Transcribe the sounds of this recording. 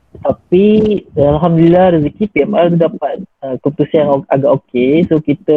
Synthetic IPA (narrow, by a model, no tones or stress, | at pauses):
t̪apialɦamd̪lilahrizikipiɛmalt̪udap̚at̪̚əkəpət̪usianoaɡaʔokesokit̪ə